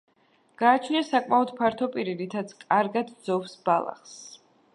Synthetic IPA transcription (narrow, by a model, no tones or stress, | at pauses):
ɡ̥aːt͡ʃʰniasakʼmaɔd̪̥pʰaɾt̪ʰɔpʼiɾiɾit̪ʰat̪sʰkʼaɾɡad̪d̪zɔfsbalˠa̰χs